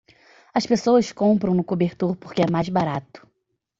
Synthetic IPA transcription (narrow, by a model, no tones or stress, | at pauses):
ɐspesowɐskõmpɾɐ̃w̃nʊkobeɾt̪oɾpoɾkɪɛmajzbaɾat̪ʊ̥